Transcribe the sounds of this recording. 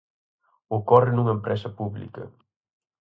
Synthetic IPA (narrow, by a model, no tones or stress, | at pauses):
ʊkɔrɪnuŋɐempɾɛsɐpuβlḭkɐ̰